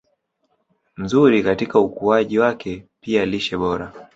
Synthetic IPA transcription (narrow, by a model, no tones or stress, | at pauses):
m̩zuɾikatikaukuaʄiwakʰɛpialiʃɛɓɔɾa